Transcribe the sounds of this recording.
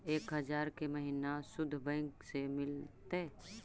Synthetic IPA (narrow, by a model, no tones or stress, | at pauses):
eːkɦəd͡ʒaːɾkeməɦinasʊd̪ʱːbə̃ŋksemɪlt̪e